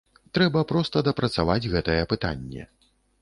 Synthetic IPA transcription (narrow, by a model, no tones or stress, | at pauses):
t̪ɾɛbɐpɾɔst̪ɐd̪ɐpɾɐt̪savad͡zʲɣɛt̪ɐjɛpɨt̪a̰nʲːɛ̰